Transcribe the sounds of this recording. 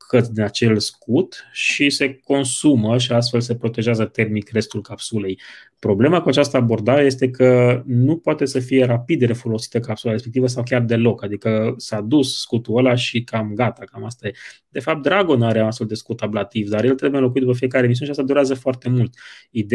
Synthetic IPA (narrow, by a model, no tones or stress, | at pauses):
kʰət̪d̪inat͡ʃe̞lskut̪ʃise̞ko̞nsuməʃ̬ias̬t̪fe̞lse̞pɾo̞t̪e̞ʒazət̪e̞rmikre̞st̪ulkapsule̞j | pɾo̞ble̞makuat͡ʃast̪əabo̞rd̪aɾe̞je̞st̪e̞kʰənupoat̪e̞səfije̞ɾapid̪ɾe̞fo̞lo̞si̥t̪əkapsulaɾespe̞k̚t̪ivəs̬awkʲard̪e̞lo̞kad̪ikəsad̪ussːkut̪uəlaʃikamɡat̪akamast̪aje | d̪e̞fap̚t̪̚d̪ɾaɡo̞naɾeanast̪feld̪e̞skut̪ablat̪ivd̪aɾje̞lt̪ɾe̞bujelo̞kuit̪d̪upəfije̞kaɾemis̬iuneʃiast̪ad̪uɾeazəfoart̪e̞mult̪id̪